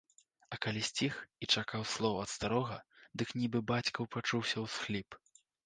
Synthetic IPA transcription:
ɐkalʲisʲt͡sʲixit͡ʂakawslˠɔwɐt̪st̪aɾɔɣɐd̪ɨknʲibɨbat͡sʲkɐwpat͡ʂuwsʲɐwsxlʲip

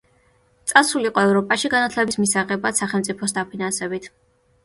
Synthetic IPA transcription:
t̪sʼasuliqʼɔɛvɾɔpʼaʃiɡanat̪ʰlɛbismisaʁɛbasaχɛlˠmt̪sʼipʰɔsd̪apʰinansɛbit̪ʰ

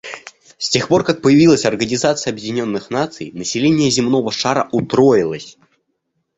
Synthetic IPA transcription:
sʲtʲe̞xpo̞rkak̚pəjɪvʲilˠəsʲɐrɡənʲɪzat̪sɨjəɐbjɪdʲɪnʲo̞nːɨxnat̪sɨjnəsʲɪlʲenʲɪjəzʲɪmno̞vəʂaɾəʔʊt̪ɾojɪlˠəsʲ

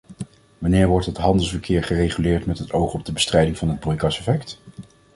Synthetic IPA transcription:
ʋɑnɪːɹʋɔɹtɦətɦɑndəlˠsvəɹkʰɪːɹχərejχylɪːɹtmɛtɦətowχɔb̚dəbəstrɛjdɪŋvɑnɦəd̚brɔjkɑsɛfɛkt

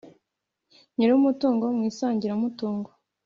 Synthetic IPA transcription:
ɲiɾuumutuːŋɡo̞mŋiːsaːɲɟiɾaumutuːŋɡo

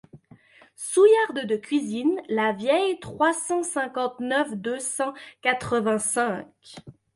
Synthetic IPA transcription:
sujaʁd̪d̪əkʲɥizinlavjɛjt̪χwasɑ̃sɛ̃kɑ̃t̪nœfd̪øsɑ̃kat̪χəvɛ̃sɛ̃k

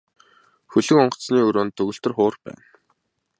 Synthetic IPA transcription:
xɵɮɵ̆kɔɴɢɞ̥̆sniːɵɾoːnt̪ɵɣɵ̆ɬt̪ɘ̆rχʊːrpæ̰ːn

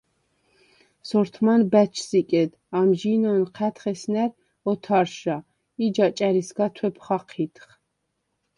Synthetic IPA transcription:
sɔɾt̪ʰmanbæt͡ʃʰsikʼɛd̪ | amʒinɔnqʰæt̪χɛsnæɾ | ɔt̪ʰaɾʃa | id͡ʒat͡ʃʼæɾisɡat̪ʰwɛpʰχaqʰit̪ʰχ

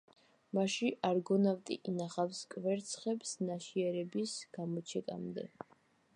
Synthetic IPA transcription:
maʃiʔaɾɡɔnavt̪ʼḭʔinaχafskʼvɛɾt̪sʰχɛpsnaʃiɛɾɛbisɡ̥amɔt͡ʃʰɛkʼa̰md̪ɛ̰

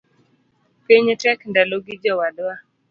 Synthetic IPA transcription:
peɲɛtɛkndaloɡid͡ʒɔwadwa

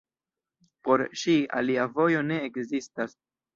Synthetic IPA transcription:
po̞ɾʃia̰liavo̞jo̞ne̞ːkzistas

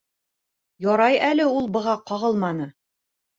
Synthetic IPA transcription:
jɒɾɑjælɘulˠbɤ̆ʁɑqɒʁɤlˠmɑnɤ

